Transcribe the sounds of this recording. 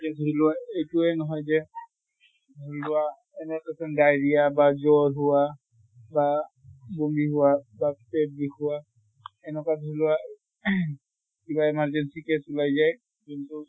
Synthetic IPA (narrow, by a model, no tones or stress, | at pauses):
kɛdʱuɾilʊaejtʊɛnɔɦɔjzɛ | dʱulʊa | ɛnɛkesɔndajɹiabazɔɹɦʊwa | ba | bombiɦʊwabapeb̚bixʰuwa | ɛnɛkadʱuilʊa | kibaɛmaɹzɛnsikɛsulajzaj | kintʊ